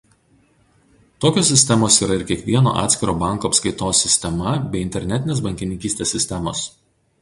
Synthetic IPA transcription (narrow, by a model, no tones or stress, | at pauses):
t̪oːkʲoːs̬ʲːɪsʲt̪ʲɛmoːsiːɾɐɪɾkʲiɛkʋʲiɛno̰ːʔɑ̰ːt̪sʲkʲɪɾoːbɑˑŋˑkoːɐpskɐɪt̪oːsʲɪsʲt̪ʲɛmɐbʲɛɪɪnʲt̪ʲɛɾʲnʲɛt̪ʲɪnʲeːsbɐŋʲkʲɪnʲɪŋʲkʲiːst̪ʲeːsʲːɪsʲt̪ʲɛmo̰ːs